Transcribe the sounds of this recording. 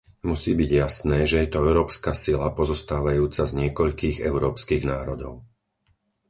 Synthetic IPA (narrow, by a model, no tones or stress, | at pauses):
musiːbiɟjasnɛːʒɛjɛt̪ɔɛʊɾɔːpskasilapɔzɔst̪aːʋajuːt͡sazɲɪɛkɔʎkiːɣɛ̰ʊɾɔːpskiːɣnaːɾɔd̪ɔʊ